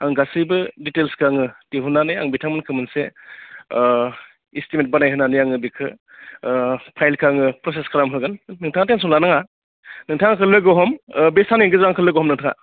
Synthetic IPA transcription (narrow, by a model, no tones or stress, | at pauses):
aŋɡasɯjbɯditelskʰɾaŋɯteɦunanɯjaŋbitʰaŋmɯnkʰɯmɯnse | istimet̚banajɦɯnanɯjaŋɯbikʰɯ | pʰajlkʰaŋɯpɾɔseskʰɯɾamɦɯɡɯnːɯŋtʰaŋateŋs̬ɔŋlanaŋa | nɯŋtʰaŋakʰɯlɯɡɔɦɔmbesʰaniŋɡɯzaŋkʰɯlɯɡɔɦɔmnɯŋtʰaŋa̰